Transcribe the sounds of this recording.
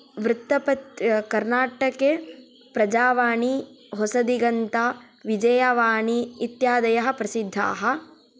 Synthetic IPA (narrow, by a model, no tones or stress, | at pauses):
ʋɾut̪ːɐpɐt̪kɐɾnaːʈɐke | pɾɐd͡ʒaːʋaːɳiɦosɐd̪iɡɐnt̪a | ʋid͡ʒɐjɐʋaːɳiːt̪jaːd̪ɐjɐɦɐpɾɐsid̪ʱːa̰ːɦɐ̆